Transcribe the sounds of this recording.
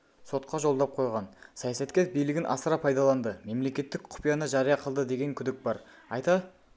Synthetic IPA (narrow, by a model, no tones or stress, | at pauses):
so̞t̪̚qʰɑʒo̞lˠd̪ɑp̚qʰo̞jʁɑnsɑjɑsɑt̪kʲeɾbijlɪɡʲɪnʔɑ̰səɾɑpʰɑjd̪ɑlˠɑnd̪əme̞mle̞kʲe̞t̪ːɪk̚qʰʊ̥pijɑnəʒɑɾijɑqʰəlˠd̪əd̪e̞ɡʲe̞ŋkʲʰʏd̪ɪk̚bɑɾ | ɑjt̪ɑ